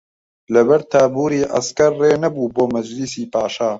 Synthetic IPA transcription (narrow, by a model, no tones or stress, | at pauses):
lɐbɐɾt̪ʰaːbuːɾiːʔa̰skɐɾːeːnɐbuːboːmɐd͡ʒlisiːpaːʃaː